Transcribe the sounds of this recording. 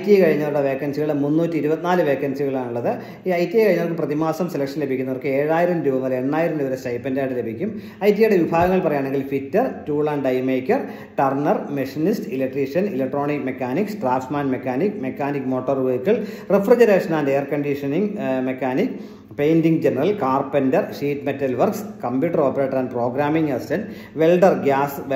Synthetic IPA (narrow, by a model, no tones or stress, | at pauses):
ɐjtːijekɐɻiɲːɐuɽɐʋe̞ːkːɐnsiɣɐɭemunːuːtːiɾubɐt̪ːinaːlɨʋe̞ːkːɐnsiɣɐɭaːɳuɭːɐðɨ | iɐjtːijejkːɐɻiɲːɐʋokːɨprɐðimaːsɐmselɐkʂɐnle̞bʱikʲːunːɐʋɐrkɨe̞ːɻaːjiɾɐmd̪ɾubɐnːɐlenːaːjiɾɐmd̪iʋɐɾesɐjpːɐndaːjʈːɨle̞bʱikʲːum | ɐjt̬ːijɐjɽeʋibʱaːɡɐŋːɐɭpɐrɐjaːɳe̞ŋɡilfitːɐrtuːɭaːnɖɐjmeːkʲːɐr | ʈɐrɳɐrmeʂinistɨilek̚ʈriʂɐnilek̚ʈːro̞ːɳikmekːaːniksʈraːfsmaːnmekːaːnikːme̞kːaːnikːmo̞ːʈːɐrʋeːkːɐɭ | refrid͡ʑɐɾe̞ːʂɐnaːndeːɐrkɐɳɖiʂɐniŋmekːaːnikː | pejndiŋɡd͡ʑenɐrɐlkaːrpɐndɐrʂiːtmetːɐlʋɐrkskɐmpjuːʈːɐro̞ːpːɐɾeːʈːɐɾaːnpro̞ːɡɾaːmiŋɡɐsi̥tɐn | ʋe̞lɖɐrɡʲaːsʋ